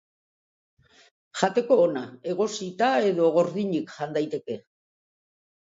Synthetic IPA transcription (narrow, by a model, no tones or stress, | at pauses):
ʝat̪e̞ko̞ːnae̞ɣo̞sit̪ae̞ðo̞ɣ̞o̞ɾðiɲikʝand̪ajt̪e̞ke̞